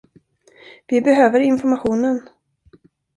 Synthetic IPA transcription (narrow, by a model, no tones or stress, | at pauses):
vɪbɛɦøːvəɾɪnfɔɾmaɧuːnən